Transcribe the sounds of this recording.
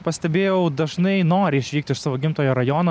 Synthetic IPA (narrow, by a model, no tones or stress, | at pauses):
pɐsʲt̪ʲɛbʲeːjɛʊd̪ɐʒnɐɪnoːɾʲɪɪʃʃʲʋʲiːk̚t̪ʲɪʃsɑːʋoːɡʲɪmt̪oːjoːɾɐjoːnoː